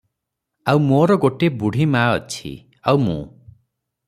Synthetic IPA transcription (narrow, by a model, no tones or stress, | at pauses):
awmoːɾɔɡoʈebuɽ̤ʱimaːɔt͡ʃʰḭ | awmṵ̃